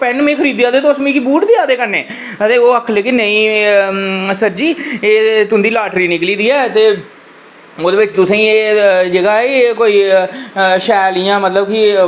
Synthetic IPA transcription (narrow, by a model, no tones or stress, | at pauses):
pɛɳmẽːkʰəɾiːd̪jãːd̪eːt̪osmĩːkibuːʈd̪eːaːd̪eːkəɾneː | ət̪eːoːəkʰleːkɪnəĩː | səɾd͡ʒiːeːt̪ʊ̃nd̪iːlaːʈɾiːnɪkliːd̪iːɛːt̪eː | oːd̪eːʋɪt͡ʃt̪ʊsẽːeːd͡ʒəɡaːeːkoːiː | ʃɛːlɪjãːmət̪ləbkɪ